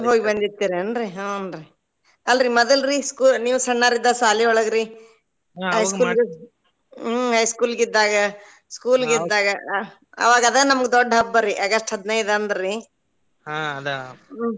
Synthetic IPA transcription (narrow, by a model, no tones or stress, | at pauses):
ɦoːɡibɐnd̪it̪ːiːɾeɐnɾiɦaɐnɾi | ɐlɾimɔd̪ɐlɾiskuːlniːʋusɐɳːaːɾid̪ːaːsaːliɔɭɐɡɾi | ɦɐjskuːlɡe | ɦɐjskuːlɡid̪ːaːɡɐ | skuːlɡid̪ːaːɡɐ | ɐ̰ʋaːɡɐd̪ɐnɐmɐɡed̪ɔɖːɦɐbːɐɾiʔɐɡɐsʈɦɐd̪nɐjd̪ɐnd̪ɐɾɾi | ad̪